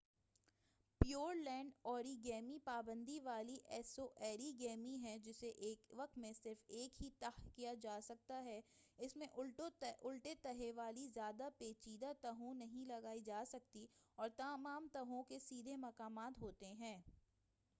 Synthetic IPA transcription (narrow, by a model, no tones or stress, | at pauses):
pjoːɾlɛ̃ːɳɖɔːɾiɡɛːmipaːbə̃nd̪ʱiʋaːliʔɛːsoʔɛːɾiɡɛːmĩɦɛ̃d͡ʒɪseʔeːkʋɐk̚t̪mẽsɪɾfeːkɦit̪ɐɦkijad͡ʒaːsɐk̚t̪aɦɛɪsmẽʔʊlʊlʈet̪ɐɦeʋaːlizjaːd̪apeːt͡ʃiːd̪at̪ɐɦõnɐɦĩlɐɡaːid͡ʒaːsɐk̚t̪iɔːɾt̪ɐmaːmt̪ɐɦõkesiːd̪ʱemɐkaːmaːt̪ɦoːt̪eɦɛ̃ː